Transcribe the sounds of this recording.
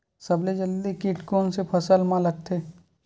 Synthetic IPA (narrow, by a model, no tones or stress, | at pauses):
sɐbled͡ʒəld̪ikiʈkoːnsepʰɐsəlmãləɡ̚t̪ʰeː